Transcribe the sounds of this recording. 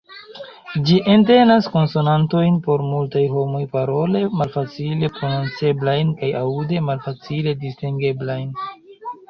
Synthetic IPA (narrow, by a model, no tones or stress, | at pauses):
d͡ʒiʔe̞nte̞nasko̞nso̞nanto̞jnpo̞ɾmultajɦo̞mojpaɾo̞le̞malfat͡sile̞pɾo̞nont͡se̞blajnkajaude̞malfat͡sile̞distiŋɡe̞blajn